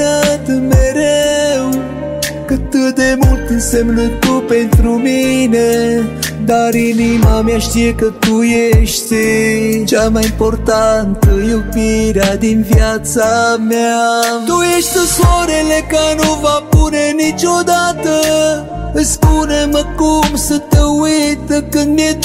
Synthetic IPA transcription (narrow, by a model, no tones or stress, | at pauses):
at̪ɨmeɾew | kət̪ɨd̪emult̪ɨnsemnut̪t̪upent̪ɾumine | d̪aɾinimameaʃt̪ijekət̪ujeʃt̪ | t͡ʃamajimpo̞rt̪ant̪əjupiɾad̪invjat̪sameat̪ujeʃt̪əswaɾelekanuvapunenit͡ʃod̪at̪ə | əspuneməkumsət̪əwujt̪əkɨnd̪mie